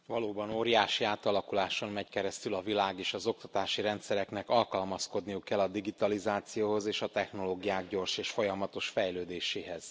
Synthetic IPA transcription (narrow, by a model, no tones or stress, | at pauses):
vɒloːbɒnoːɾijaːʃiaːt̪ɒlɒkulaːʃo̞nmɛckɛɾɛst̪ylɒvilaːɡeːʃɒzo̞k̚t̪ɒt̪aːʃiɾɛnt̪sɛɾɛknɛkɒlkɒlmɒsko̞d̪nijukːɛlːɒd̪iɡit̪ɒlizaːt̪sijoːho̞zeːʃɒt̪ɛxno̞loːɡijaːɡɟo̞rʃeːʃfo̞jɒmɒt̪o̞ʃfɛjløːd̪eːʃeːɦɛz̥